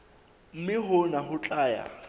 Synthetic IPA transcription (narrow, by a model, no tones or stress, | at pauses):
m̩mɪɦʊnaɦʊt͡ɬʼaːja̰